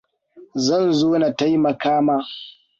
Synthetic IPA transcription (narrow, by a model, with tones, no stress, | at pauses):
zɐ˦˨nzoː˦na˨ta˦jmɐ˨kaː˦maː˦